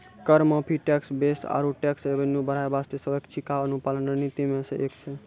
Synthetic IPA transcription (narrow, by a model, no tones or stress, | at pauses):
kəɾməpʰiʈɛksbesa̰ɾuʈɛksebənubəɾ̤aebast̪esəbekt͡ʃʰikaənupalənɾənit̪imẽsə̃ʔekt͡ʃʰe